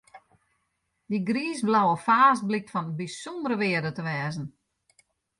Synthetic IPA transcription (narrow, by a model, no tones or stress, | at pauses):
diɡriːsblawəfaːs̚blɪk̚tfɔnbisondəɾəʋɪədətəʋɛːzən̩